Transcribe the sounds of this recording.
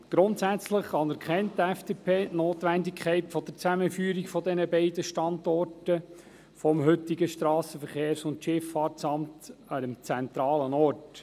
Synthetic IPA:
ɡ̥ɾʊntsæt͡sləχɑnɛɾkχɛntːɛfd̥eːpʰeːʔnoːt̪ʋændikʰχɛɪtfɔd̥̪əɾt͡sæməfyːəɾikfɔd̪ɛnəbɛɪdəʃtɑnd̪ɔrtə | fɔmɦɵtiɡəʃtɾɑːsəfəɾχeːɾsʊntʃɪfːɑːɾtsɑmt̪ɑdəmt͡sɛnt̪ɾɑːlənɔrt

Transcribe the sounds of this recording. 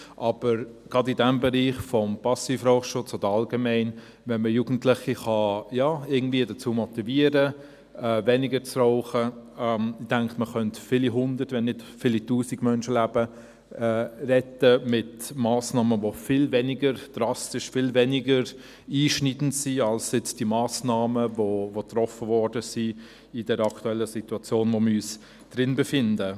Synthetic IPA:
ʔɑb̥əɾɡ̥ʁɑdɪdɛmbɛɾiːχfɔmpɑsifɾɔʊχʃʊt͡sɔd̥əɑlɡemɛɪn | vɛnməjuːɡn̩tlɪχiχɑjɑːɪɡn̩d̥viːədət͡suːmɔt̪iviəɾə | ɛvɛnɪɡəɾt͡sroʊχəɛmd̥ɛŋkməχœntfɪliɦʊndətʋɛnːɪtfɪlituːsiɡ̥mœnʃəlæb̥ə | ɛrɛtəmɪtmaːsnɑːməvofɪlvɛnɪɡəɾd̥rɑstɪʃfɪlvɛnɪɡəɾ | iːʃnidn̩tsiɑlsɪt͡sd̥imaːsnɑːməvovot̪rɔfəvɔɾdəsi | ɪd̥ɛɾɑktuɛlːəsituɑt͡sjoːnvoməyːs | d̥ɾɪnbefɪndə

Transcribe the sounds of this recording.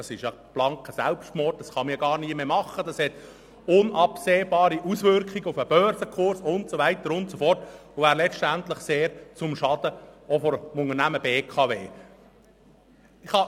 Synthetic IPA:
ɑsɪʃjɑ | b̥lɑŋkəsælpʃtmɔrt̚d̥ɑsχɑmiɡɑːrniəmemɑχːəd̥ɑshɛt | ʊnɑpseːbɑːɾiʔusʋʏɾkχiɡəʊfəb̥œɾzəkʰʊɾsʊntt͡sovæɪtəɾʊntsofɔrtʊʋæːɾlɛt͡ʃtænt̪ləχseːɾt͡sʊmʃɑd̥̪əofɔɾmʊŋənæməbeːkʰɑveː | ɪχhɑ

